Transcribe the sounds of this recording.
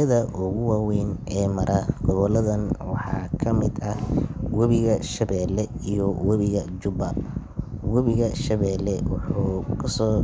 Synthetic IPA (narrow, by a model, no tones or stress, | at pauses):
ɐðɐʔʊɣʊwaːwɛːnʔɛːmɐɾʔɐɡ̥ɔβɔlɐðɐnwɑħɑ̰ːkʰɐmɪd̪ɐhwɐβɪɣɐʃɐβɛːlɛijɔwɐβɪɣɐt͡ʃʊbɐ | wɐβɪɣɐʃɐβɛːlɛwɑħʊkʰɐsɔː